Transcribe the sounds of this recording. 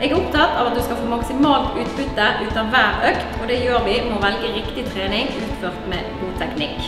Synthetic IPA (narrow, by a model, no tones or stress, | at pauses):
ɛɡæʊpt̪ʰɑt̪ːɑːʋɑt̪̚d̪ʉskɑfoːmɑksɪmɑːlt̪ʉːt̪bʉt̪ːəʔʉːt̪ɑʋæːʁœkt̪ɔd̪ɛjøːʁʋɪmɔʋɛlɡəʁɪkt̪ɪt̪ʰʁeːnɪŋʉːt̪føːʁt̪mɛ̰ːɡuːt̪ʰɛknɪk